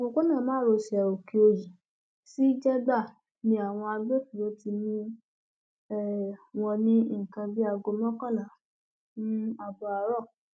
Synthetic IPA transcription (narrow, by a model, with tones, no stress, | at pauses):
o˧ko˦nã˦˨mãː˦ɾo˧si˨ɛ˨o˨ki˧o˧ji˨ | si˦i˦d͡ʒɛ˦ɡ͡ba˦˨ | nĩ˧˦a˨w̃ɔ̃˧a˧ɡ͡be˦fi˨ɾo˨˦ti˧nĩ˦ | ɛ˦˨w̃ɔ̃˧nĩ˦i˦˨kã˧bi˦a˧ɡo˧mɔ̃˦kã˦˨lã˨ | nũ˦a˧bɔ˧a˧ɾɔ˦˨